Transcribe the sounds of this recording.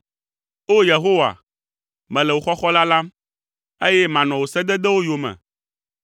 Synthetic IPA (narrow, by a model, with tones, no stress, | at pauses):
o˦je˨ɦo˦wa̰˨ | mɛ̃˨lɛ˨wo˨xɔ˦xɔ˦la˦la˦m | e˦jɛ˦mã˨nɔ̃˨wo˨sɛ˦d̪ɛ˦d̪ɛ˦wo˦jo˨mɛ̰̃˨